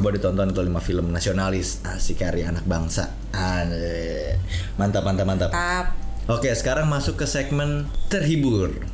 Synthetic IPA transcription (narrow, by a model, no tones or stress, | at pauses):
buadit̪ɔnt̪ɔnt̪limafiləmnasionalɪs | asikaɾianak̚baŋsa̰ | a | mant̪apmant̪apmant̪ap | okesə̥kaɾaŋmasʊkːəsɛk̚mənt̪ərɦibʊr